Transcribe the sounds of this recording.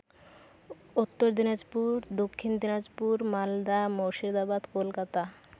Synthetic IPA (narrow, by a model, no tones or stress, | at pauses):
ut̪ːoɾd̪inad͡ʑpuɾd̪okʰːind̪inad͡ʑpuɾmald̪amoʃid̪abad̪kolkat̪a